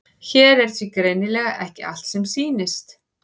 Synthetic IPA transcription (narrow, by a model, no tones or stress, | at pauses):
çɛːɾɛɾ̥t̪ʰvikɾejnɪlɛːɣaʔɛhcɪa̰l̥t̪sɛmsiːnɪst̪